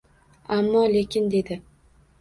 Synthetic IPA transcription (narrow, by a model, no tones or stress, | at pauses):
amːɒle̞kʲʰɪnd̪e̞d̪ɪ